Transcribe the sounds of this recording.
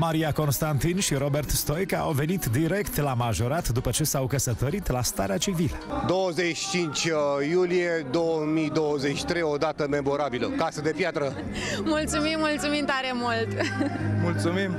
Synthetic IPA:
maɾiako̞nst̪ant̪inʃiɾo̞be̞rt̪st̪o̞jkaa̰wve̞nit̪d̪iɾe̞kt̪lamaʒo̞ɾat̪d̪upət͡ʃe̞sawkəsət̪əɾit̪last̪a̰ɾeat͡ʃivilə̰d̪o̞wəzet͡ʃt͡ʃint͡ʃʲjulijed̪owəmid̪owəzet͡ʃi̥t̪ɾejod̪at̪əmemoɾabiləkasəd̪e̞pjat̪ɾə | mult̪sumimːult̪sumimt̪aɾemult̪mult̪sumim

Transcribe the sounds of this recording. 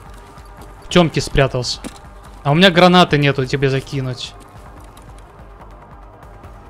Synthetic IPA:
ftʲomkʲɪspɾʲat̪əlˠsʲə̥ | ɐʊmʲɪnʲaɡɾɐnat̪ɨnʲet̪ʊtʲɪbʲezɐkʲinʊtʲ

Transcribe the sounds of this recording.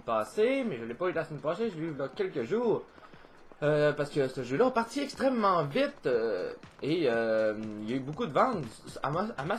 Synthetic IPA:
paːsemɛʒəlɛpɔylasmɛnpaseʒlyd̪ɑ̃kʲɛlkʲəʒuːʁ | øpaʁsə̥kəsəʒølapaʁt̪iɛkst̪χɛmːɑ̃vit̪øeøiljaybokud̪əvɑ̃ːt̪a̰ama

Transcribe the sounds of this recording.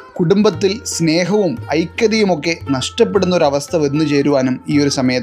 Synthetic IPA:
kuɽumbɐt̪ːilsne̞ːɦɐʋumɐjkʲːɐðijumo̞kːe̞nɐʂʈɐpːe̞ɽunːɐo̞ɾɐʋɐst̪ʰɐʋe̞nːut͡ɕe̞ːɾuʋaːnumiːo̞ɾusɐmɐjɐt̪ː

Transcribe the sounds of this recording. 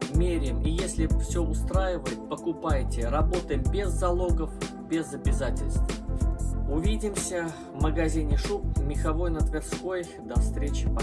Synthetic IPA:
mʲeɾʲɪmijesʲlʲɪfsʲɵʊst̪ɾajɪvəjɪt̪̚pəkʊpajtʲɪrɐbo̞t̪əjɪmbʲɪzːɐlˠo̞ɡəf | bʲɪzɐbʲɪzatʲɪlʲst̪v | ʊvʲidʲɪmsʲə | vməɡɐzʲinʲɪʂup̚mʲɪxɐvo̞jnət̪vʲɪrsko̞j | d̪ɐfst̪ɾʲet͡ɕɪp

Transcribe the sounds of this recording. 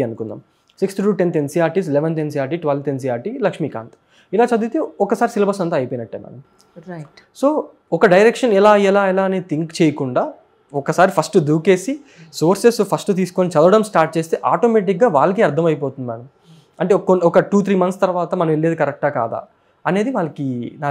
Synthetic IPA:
ɐnukund̪a̰ːm | siksʈʈuːʈent̪ensiːaːɾʈiːs̬leɛʋɐnt̪̬ensiːaːɾʈiːʈʋɐlt̪ens̬iːaːɾʈilɐkʂmiːka̰ːnt̪ | ilaːt͡ʃɐd̪uːt̪eɔkːɐsaːɾisilbʱaːsɐnt̪ɐːɐjpeːnɐʈːeːmɐ̰nɐm | soː | ɔkɐɖɐjɾekʂɐnɛlaːɛlaːɛlaːneːt̪iŋkt͡ʃeːjɐkuɳɖaː | ɔkːɐsaːɾipʰɐsʈd̪uːke̞ːsi | soːɾsespʰɐsʈut̪̬iːsu̥koːnit͡ʃɐd̪ɐʋɐɽɐmsʈaːɾʈ̚t͡ʃeːst̪eːʔaːʈoːmeːʈ̬ikɡaːʋa̰ːɭɐk̬iɐɾd̪ʱɐmɐjp̬oːt̪und̪imɐnɐm | ɐɳʈeːkːonɔkɐʈuːt̪ʰɾiːmɐnt̪st̪ɐɾʋaːt̪ɐmɐnɐmeɭːed̪ikɐɾɛk̚ʈɡaːka̰ːd̪a̰ː | ɐne̞ːd̪iʋaːɭɐkinaː

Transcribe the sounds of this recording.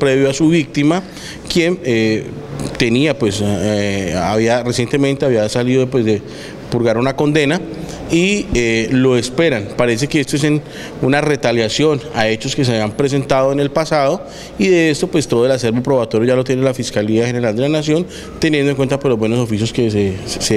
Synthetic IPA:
pɾe̞βjoasuβik̚t̪ima | kje̞ne | t̪e̞niapwe̞s | aβiaresje̞nt̪e̞mẽ̞nt̪e̞aβiasaliðopwezd̪e | puɾɣaɾunako̞nd̪e̞na | ielo̞espe̞ɾanpaɾe̞s̬e̞keest̪oes̬en | unare̞t̪aljasjo̞naet͡ʃo̞skes̬eaβjiampɾe̞s̬e̞nt̪að̞oene̞lpasaðo̞ | iðe̞est̪o̞pwest̪oðo̞elase̞ɾbopɾo̞βat̪o̞ɾjoʝalot̪jenelafiskaliaxene̞ɾald̪e̞lanasjo̞n | t̪enjend̪oeŋkwent̪apwe̞zlozbwe̞no̞s̬ofisjo̞skesese

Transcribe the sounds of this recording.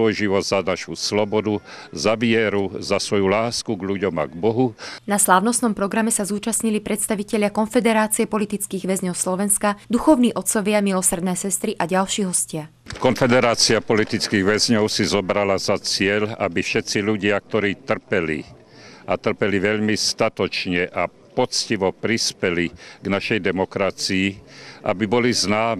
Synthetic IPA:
ɔjʒiʋɔzanaʃuslɔbɔd̪uzaʋɪɛɾuzasʋɔjulaːskuɡʎuɟɔma̰ɡbɔɦunaslaːʊnɔsnɔmpɾɔɡɾamɛsazuːt͡ʃasɲilipɾɛt̪st̪aʋicɛʎɪakɔnfɛd̪ɛɾaːt͡siɛpɔlit̪it͡skiːɣʋɛzɲɔʊslɔʋɛnskad̪uxɔʊniːʔɔt̪sɔʋɪamilɔsr̩d̪nɛːsɛst̪ɾiʔaɟalʃiːɦɔscɪa | kɔnfɛd̪ɛɾaːt͡siapɔlit̪it͡skiːɣʋɛzɲɔʊsizɔbɾalazat͡sɪɛʎa̰bifʃɛt̪t͡siʎuɟɪak̚t̪ɔɾiːt̪r̩pɛlḭ | ʔat̪r̩pɛliʋɛʎmist̪at̪ɔt͡ʃɲɛʔa | pɔt͡sciʋɔpɾispɛliɡnaʃɛjd̪ɛmɔkɾat͡siiʔa̰bibɔliznaːmɛ

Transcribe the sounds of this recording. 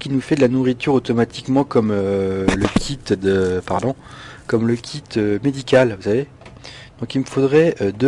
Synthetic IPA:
kʲinufɛd̪əlanuʁit̪yʁot̪ɔmat̪ikmɑ̃kɔmøləkʲʰit̪d̪əpaʁd̪ɔ̃ | kɔmləkʲʰit̪ømed̪ikʲalvusave | d̪̥ɔ̃kilməfod̪ʁɛød̪ə

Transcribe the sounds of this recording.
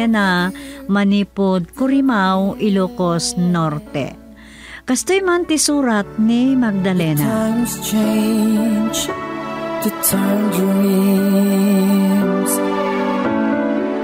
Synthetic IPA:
ɛnamɐniːpod̪̚kʊɾimawʔɪloːkosnoɾt̪ɛ̰ | kɐst̪ojmant̪ɪsuːɾɐt̪̚nimɐɡ̚d̪ɐlɛːnaãmst͡ʃẽ | nd͡ʒ | t̪ɨtʰand͡ʒəni | s

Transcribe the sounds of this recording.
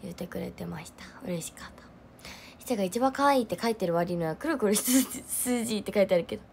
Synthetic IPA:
jɯt̪e̞kɯ̟ɾe̞̰t̪e̞maɕi̥t̪ḁɯ̟ɾe̞ɕi̥kḁt̪ʰːḁ | ɕi̥t̪aɡait͡ɕibãŋkaβaiːt̪ːe̞kait̪ːe̞ɾɯ̟βaɾʲinoβakɯɾɯ̟kɯɾɯ̟sɨsɨːʑiːt̪ːe̞kait̪eaɾɯ̟ke̞d̪o̞

